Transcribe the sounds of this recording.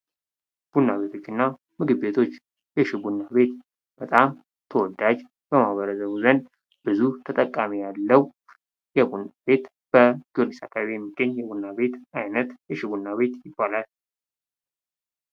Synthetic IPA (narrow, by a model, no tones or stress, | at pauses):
b̥unːaβe̞t̪ʰo̞t͡ʃːɨnːa | mɨɡɨbe̞t̪ʰo̞t͡ʃː | jɛʃɪbunːabe̞t̪ | b̥ət̪ʼam | t̪ʰəwɔd̪ːad͡ʒ | bəmaβəɾəzəβuzən | b̥ɨzut̪ʰət̪ʼəkʼːamijalːəw | jɛbunːabe̞t̪ | b̥əɡiolisakʼaββijɛmːiɡːəɲjɛbunːaβe̞t̪ajnət̪jɛʃɪβunːaβe̞t̪jɪbːalal